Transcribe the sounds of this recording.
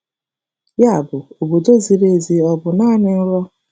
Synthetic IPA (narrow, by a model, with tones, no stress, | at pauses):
ja˦a˨bʊ˨o˨bo˨do˦zi˨ɾe˦zi˨ɔ˨bʊ˨naː˦nɪ˦n̩˦ɾɔ˦